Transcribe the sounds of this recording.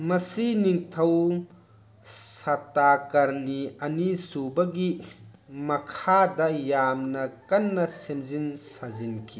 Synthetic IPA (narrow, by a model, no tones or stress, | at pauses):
mɐsiniŋt̪ʰɐw | sɐt̪akɐɾniɐnisubɐɡi | mɐkʰad̪ɐjamnɐkɐnːɐsemzinsazinkʰi